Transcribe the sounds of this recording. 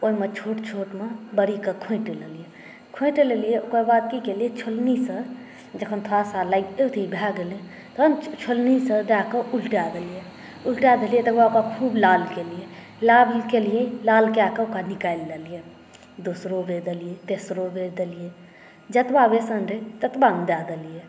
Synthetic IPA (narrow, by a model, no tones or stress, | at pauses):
oimet͡ʃʰoːʈt͡ʃʰoːʈmebəɾikəkʰõiʈeləlije | kʰõɪ̃ʈelelijeokabaːd̪̚kikelijet͡ʃʰolnisə | d͡ʒəkʰənt̪ʰoasalaɪket̪ʰibʱaɡele | t̪oənt͡ʃʰolnisə̃d̪akəʔulʈad̪əlije | ʊlʈjaːd̪əlijet̪əkbakakʰuːblaːlkelije | laːlkelijelaːlkjaːkəʊkanɪkaːlːəlije | d̪usɾobeːd̪əlijet̪eːsɾobeːd̪əlije | d͡ʒɐt̪baːbesənɾet̪ət̪bãːnd̪aːd̪əlije